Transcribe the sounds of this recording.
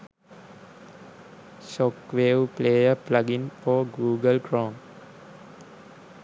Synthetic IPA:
ʃokʋeːʋpleːjəplaɡinfɔːɡuːɡəlkɾõːm

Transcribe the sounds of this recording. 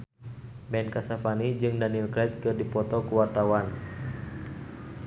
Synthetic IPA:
bɛnkasafanid͡ʒɨŋdanilklɛt̪̚kɨrdipɔt̪ɔkuwart̪awan

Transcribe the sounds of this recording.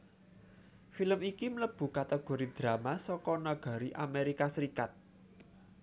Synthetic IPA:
filəmikimələb̥ṳkat̪eɡ̥o̤ɾid̪̥ɾa̤masɔkɔnaɡ̥a̤ɾiʔa̰meɾikasəɾikat̪̚

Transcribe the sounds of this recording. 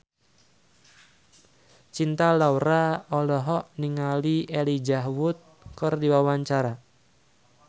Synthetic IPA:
t͡ʃint̪alauɾaɔlɔɦɔʔniŋaliʔɛlid͡ʒaɦwʊt̪̚ | kɨrdiwawaɲt͡ʃaɾa

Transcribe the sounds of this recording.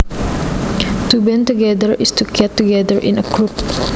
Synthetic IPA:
t̪ubɛ̃nt̪uɡɛd̪əɹɪstukʰɛtːuɡɛdəɹʔɪ̰̃nəkɹup

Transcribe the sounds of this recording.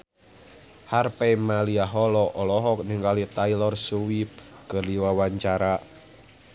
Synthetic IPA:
harpɛmaliaɦɔlɔʔɔlɔɦɔk̚niŋɡalit̪ailɔrsuwip̚ | kərliwawaɲt͡ʃaɾa

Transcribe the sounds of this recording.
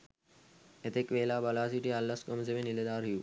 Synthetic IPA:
et̪ekʋeːlaːbɐlaːs̬iʈiɦalːɐskɐmsemẽːnɪled̪aːɾɦijuː

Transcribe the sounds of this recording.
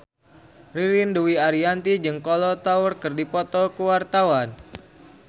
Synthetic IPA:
riɾinduwiaɾiant̪id͡ʒɨŋkɔlɔt̪aurkɨrdipɔt̪ɔkuwart̪awan

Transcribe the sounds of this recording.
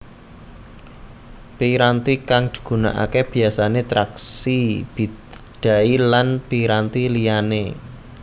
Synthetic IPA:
piɾant̪ikaŋd̪̥i̥̤ɡ̥ṳna̰ʔa̰keb̥i̤asanet̪ɾaksib̥id̪̥a̤ilanpiɾant̪ilijanḛ

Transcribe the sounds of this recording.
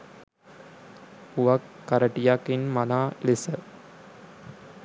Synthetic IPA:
uʋɐkːɐɾɐʈijakːinmɐnaːlisə

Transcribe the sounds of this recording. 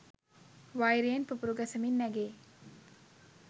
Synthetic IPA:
ʋajɾeenpupuɾuɡɐsəminːæɡeː

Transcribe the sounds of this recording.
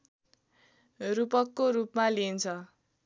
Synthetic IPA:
rupʌkːoɾupmalint͡sʰʌ

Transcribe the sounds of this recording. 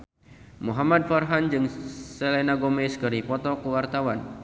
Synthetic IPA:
muɦamad̚farɦand͡ʒɨŋsɛlɛnaɡomɛskɨɾipɔt̪ɔkəwart̪awan

